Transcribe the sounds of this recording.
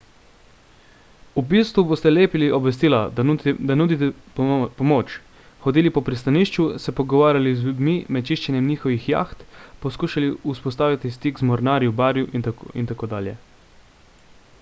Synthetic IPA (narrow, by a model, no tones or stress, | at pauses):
ubiːst̪ʋuboːst̪ɛleːpiliʔɔbʋɛs̬t̪iːlad̪anuːd̪it̪ɛpɔmoːt͡ʃ | xɔd̪iːlipɔpɾist̪aniːʃt͡ʃusɛpɔɡɔʋaːɾʲjalizlud̪mimɛt̪t͡ʃiːʃt͡ʃɛnjɛmniːxɔʋixja̰ːxt̪pɔskuːʃaliuspɔst̪aːʋit̪ist̪ikzmɔɾnaːɾjubaːɾjuʔint̪aint̪akoːd̪aːljɛ̰